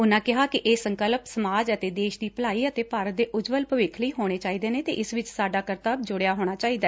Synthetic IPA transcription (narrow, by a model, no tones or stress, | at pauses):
ʊnãːkɪɦaːkɪʔeːsəŋkəlpsəmaːd͡ʒət̪eːd̪eːʃd̪iːpəlaːiːət̪eːpaːɾət̪̚d̪eːʔʊd͡ʒʋəlpəʋɪkʰləiːɦoːɽ̃eːt͡ʃaːiːd̪eːnẽːt̪ḛːʔɪsʋɪt͡ʃsaːɖaːkəɾt̪aːbd͡ʒʊɽejaːɦoːɽ̃aːt͡ʃaːiːd̪aːɛ